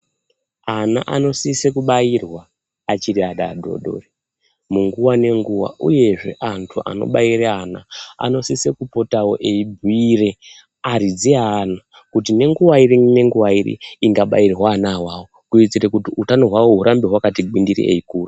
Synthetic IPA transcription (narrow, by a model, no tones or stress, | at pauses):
ana̰ʔano̞sisekuɓairwaː | t͡ʃiɾiaɗa̰dʱo̞̰ɗo̞̰ːre | muŋɡuwane̞ŋɡuwa̰uje̞ʐe̞̰ʔantʰuʔa̰no̰ɓaireana̰a̰no̞sise̞kupo̞tawo̞̰ʔeibʱuire̞ | aɾid͡ziana | kutine̞ŋɡuwairine̞ŋɡuwairḭiŋɡaɓa̰irwaːnawaːwokuit͡sirekutiutanoɦwawoɦuɾʔambeɦwakatiɡindiɾḭʔḛikuːra